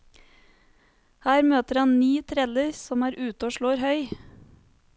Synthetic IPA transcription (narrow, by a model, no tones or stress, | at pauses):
hæːɾmøːt̪əɾɑnnyːt̪ʰɾɛləɾsɔmæːɾʔʉːt̪oːʃɭoːɾhœʏ